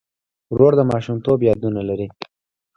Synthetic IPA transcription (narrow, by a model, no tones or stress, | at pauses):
ɾoɽd̪əmɑʃumt̪objɑd̪unalaɾi